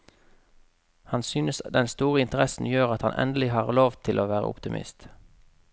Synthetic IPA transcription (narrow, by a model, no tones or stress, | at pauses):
hɑnsyːnəsd̪ɛnst̪uːʁəɪnt̪əʁɛsn̩jøːʁɑt̪hɑnʔɛ̰nd̪əlɪɦɑːʁloːʋt̪ʰɪlʔoːʋæːʁə̰ʊ̰pt̪ɪmʔɪ̰st̪